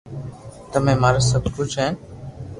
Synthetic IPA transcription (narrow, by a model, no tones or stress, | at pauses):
t̪əmẽːmaːɾasəbʱkʊt͡ʃʰɦeːn